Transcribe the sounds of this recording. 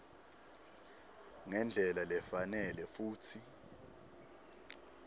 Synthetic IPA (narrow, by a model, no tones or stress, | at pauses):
ŋɛnd͡ɮʱɛlalɛfanɛlɛfuːtʰi